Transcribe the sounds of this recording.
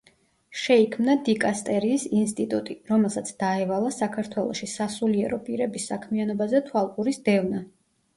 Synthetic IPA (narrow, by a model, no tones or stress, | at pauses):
ʃɛikʰmnad̪ikʼast̪ʼɛɾiːsinst̪ʼit̪ʼut̪ʼiɾɔmɛlˠsat̪sʰd̪̥aɛvalˠasakʰaɾt̪ʰwɛlˠɔ̰ʃisasuliɛɾɔpʼiɾɛbisːakʰmianɔbazɛt̪ʰwalˠkʼuɾisd̪ɛvna